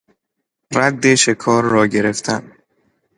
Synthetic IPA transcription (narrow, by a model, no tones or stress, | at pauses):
ɾæd̪ːeʃe̞kʰɒːɾːɒːɟe̞ɾe̞ft̪ʰæn